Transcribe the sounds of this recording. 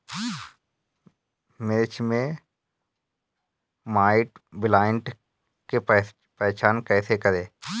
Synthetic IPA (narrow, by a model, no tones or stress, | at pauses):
mɪɾt͡ʃʰmẽ | maːɪʈbɪlaːɪɳʈ | ke | pɛːt͡ʃaːnkɛːsekəɾeː